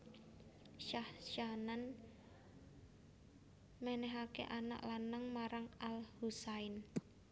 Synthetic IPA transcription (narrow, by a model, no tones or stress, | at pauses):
ʃahʃanan | mɛnɛɦakḛʔana̰ʔlanaŋmaɾaŋalhusaɪn